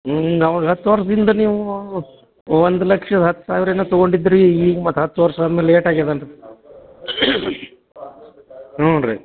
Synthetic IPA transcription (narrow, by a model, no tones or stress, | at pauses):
ɐʋaːɡɐɦɐt̪ːuʋɐɾsɐd̪ind̪ɐniːʋu | ʋond̪ulɐkʂɐd̪ɐɦɐt̪ːu̥saːʋiɾɐnut̪ɐɡoɳɖid̪ːɾiːɡɐmɐt̪ːɐɦɐt̪ːuʋɐɾsaːd̪nɐleːʈaːɡed̪ɐɳʈe | oːɾḛ